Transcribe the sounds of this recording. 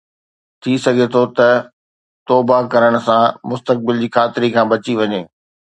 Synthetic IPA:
t̪ʰisɐɡʱet̪ʰot̪ɐ | t̪ɔːbakɐɾəɽ̃ʊ̆sãmʊst̪ək̚bɪld͡ʑiːkʰaːt̪ɪɾikʰãːbɐt͡ɕiʋɐɲeː

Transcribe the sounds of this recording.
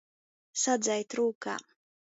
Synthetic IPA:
sad̪zajt̪ɾuːka̰ː

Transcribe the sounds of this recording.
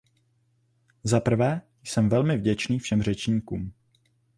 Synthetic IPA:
zapr̩vɛː | jsɛmvɛlmɪvɟɛt͡ʃniːfʃɛmr̝ɛt͡ʃɲiːkṵːm

